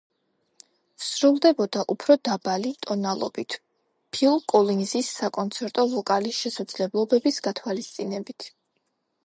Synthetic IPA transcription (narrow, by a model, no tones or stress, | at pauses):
fsɾulˠd̪ɛbɔd̪aʔupʰɾɔd̪abalit̪ʼɔnalˠɔ̰bit̪ʰ | pʰilˠkʼɔlinzisːakʼɔnt̪sʰɛɾt̪ʼɔvɔkʼaliʃɛsad̪z̥lɛblˠɔbɛbisɡat̪ʰwalist̪sʼinɛbit̪ʰ